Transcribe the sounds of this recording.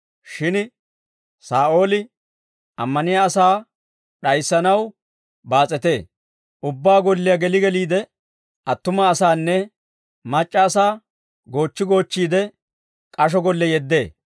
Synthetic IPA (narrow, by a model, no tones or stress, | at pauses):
ʃɪn | saːʔo̞ːlɪ | ɐmːɐnɪjaːsaː | ɗɐjsːɐnɐw | baːt͡sʼːɛt̪e̞ː | ʔʊbːaːɡɔlːɪjɐɡɛlɪɡɛliːd̪ɛ | ʔɐt̪ːʊmɐːsaːnːɛ | mɐt͡ʃʼːɐːsaː | ɡo̞ːt͡ʃːɪɡo̞ːt͡ʃːiːd̪ɛ | kʼɐʃ̬ɔɡɔlːɛjɛd̪ːe̞ː